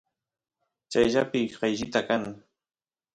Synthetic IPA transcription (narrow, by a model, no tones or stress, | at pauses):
t͡ʃajʎapɪɢɑjʎɪt̪akaŋ